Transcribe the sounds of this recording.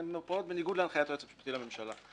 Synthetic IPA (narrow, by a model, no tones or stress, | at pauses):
mepaot̪̚beniɡud̪lanχajat̪oet͡sapʃpt̪ilamemʃala̰